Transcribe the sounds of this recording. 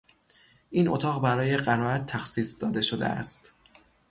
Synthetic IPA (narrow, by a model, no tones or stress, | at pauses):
ʔiːnʔo̰t̪ʰɒːɣbæɾɒːje̞ɢæɾɒːæt̪ʰːæxsiːsd̪ɒːd̪e̞ʃod̪ḛʔæ̰st̪